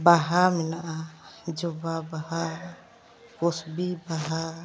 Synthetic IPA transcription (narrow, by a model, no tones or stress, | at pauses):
baɦaminaʔad͡ʒɔbabaɦa | kosbibaɦa